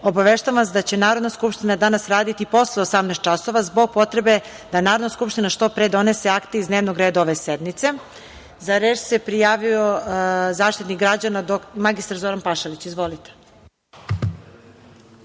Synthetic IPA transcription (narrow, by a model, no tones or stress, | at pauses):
o̞baʋeʃt̪aʋaʋasd̪at͡ɕe̞naːɾo̞d̪naskupʃt̪inad̪anasɾaːd̪it̪ipo̞sleosamnɛst̪t͡ʃaso̞ʋazbo̞ɡ̚po̞t̪ɾe̞be̞ | d̪̥anaːɾod̪naskupʃt̪inaʃt̪o̞pɾe̞ːd̪o̞nese̞akt̪eizd̪neʋnoɡɾeːd̪aoʋe̞sed̪mit̪se̞ | zaɾeːt͡ʃsepɾijaːʋio̞zaːʃt̪it̪nikɡɾad͡ʑanad̪omaɡist̪aɾzo̞ɾanpaʃalit͡ɕizʋo̞lit̪e̥